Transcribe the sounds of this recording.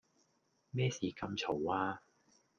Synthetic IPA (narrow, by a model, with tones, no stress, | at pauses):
mɛː˥siː˨˩kɐ˧mt͡sʰo˨˩waː˧